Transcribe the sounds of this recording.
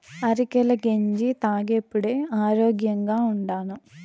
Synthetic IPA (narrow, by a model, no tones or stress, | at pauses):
ɐɾikelɐɡeɲd͡ʒit̪aːɡepːuɽeːaːɾoːɡjɐŋɡaːuɳɖaːnu